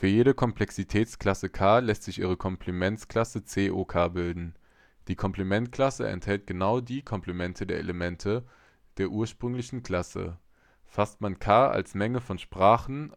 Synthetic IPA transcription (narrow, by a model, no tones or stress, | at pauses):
fyːɐjeːɾəkʰɔmpl̥ɛksitʰɛːt͡skl̥asəkʰaːlɛstz̥ɪçʔḭːʁ̞əkʰɔmpʰlimɛnkl̥asət͡seːʔokʰaːbɪldn̩ | d̥iːkʰɔmpl̥imɛntkl̥asə̰ɛ̰nthɛlt̚ɡ̥ənaʊdiːkʰɔmplimɛntʰədeːɐʔḛləmɛntʰə | d̥eːɐʔuːɐʃpʁ̥ʏŋlɪçn̩kʰl̥asə̰ | fastmankʰaːa̰lsmɛŋəfɔnʃpʁ̥aːχn̩